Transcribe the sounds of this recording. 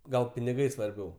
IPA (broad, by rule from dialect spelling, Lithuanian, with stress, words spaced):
ˈɡɐlˠ pʲɪnʲɪˈɡɐɪ sʋɐrʲˈbʲɛʊ